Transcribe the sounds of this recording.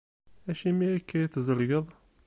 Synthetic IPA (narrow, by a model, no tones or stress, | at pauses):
æʃimiikːæjiθzəlɡəðˤ